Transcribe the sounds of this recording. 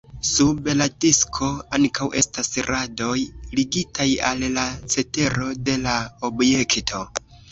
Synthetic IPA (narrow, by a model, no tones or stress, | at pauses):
subladiskʰo̞aŋkawʔe̞stasɾado̞jliɡitajallat͡se̞te̞ɾo̞de̞laobje̞ktʰo̞